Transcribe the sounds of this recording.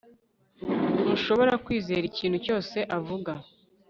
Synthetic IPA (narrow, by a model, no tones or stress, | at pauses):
uʃo̞βo̞ɾakwiːze̞ːɾiciːnhuco̞ːse̞ʔavuɡa